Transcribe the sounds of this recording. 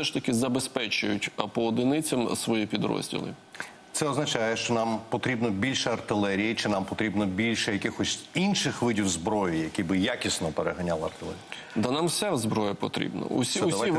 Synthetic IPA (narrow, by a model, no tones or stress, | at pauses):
sɛʃt̪ɐkɪzɐbespɛt͡ʃʊjʊtʲɐpɔːd̪ɪnɪt͡sʲɐmsʋɔjipʲid̪ɾɔ̰zʲdʲḭlˠɪ̰ | t̪sɛɔznɐt͡ʃajɛʃt͡ʃɔnɑmpɔt̪ɾʲibnɔbʲilʲʃɛɐrt̪ɪlˠɛɾʲijit͡ʃɪnɑmpɔt̪ɾʲibnɔbʲilʲʃɛjɐkɪxɔsʲinʃɪxʋɪdʲiwzbɾɔjʊjɐkʲibɪjakʲisnɔpeɾeɦɐnʲalˠɪɐrt̪ɪlˠɛ̰ɾʲi | d̪ɐnamsʲazbɾɔjɐpɔt̪ɾʲḭbnɐ̰ʊ̰sʲiʊi